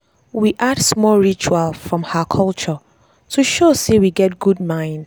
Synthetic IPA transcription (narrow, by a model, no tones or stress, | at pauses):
wiʔadsmɔlɹit͡ʃualˠfɹɔ̃mhakʰɔlˠt͡ʃɔ | tʰuʃosewiɡɛt̚ɡ̥ud̚mãɪ̃n